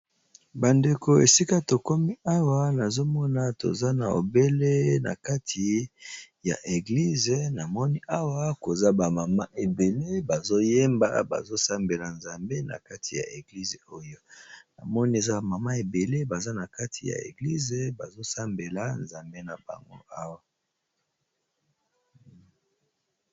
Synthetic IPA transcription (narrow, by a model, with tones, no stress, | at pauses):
ba˨nde˨ko˨e˨si˦ka˦to˨kɔ˦mi˦a˦wa˦na˨zo˦mɔ˦na˦to̰˨za˦na̰˨o̰˨be˦le˦na̰˨ka˦tʰi˨ja̰˨ʔe˨ɡli˦ze˨na˨mɔ˦ni˦ʔa˦wa˦ko˨za˦ba˨ma˨ma˦ʔe˨be˨le˦ba˨zo˦je˦mba̰˦ba̰˨zo˦sa˦mbe˨la˨nza˨mbe˦na̰˨ka˦tʰi˨ja̰˨ʔe˨ɡli˦ze˨o˦jo˦na̰˨mɔ˦ni˦e˨za˦ba˨ma˨ma˦e˨be˨le˦ba˨za˦na˨ka˦tʰi˨ja̰˨ḛ˨ɡli˦ze˨ba˨zo˦sa˦mbe˨la˨˦nza˨mbe˦na˨ba̰˨ŋɡo̰˦ʔa˦wa˦